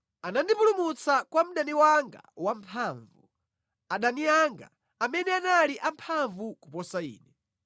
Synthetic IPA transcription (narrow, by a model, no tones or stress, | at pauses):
anandipulumut͡sakwam̩ɗaniwaŋɡa̰wampʰaːɱvu | aɗaniaŋɡa̰ | amɛnɛanaliʔampʰaɱvukupɔsaḭːnɛ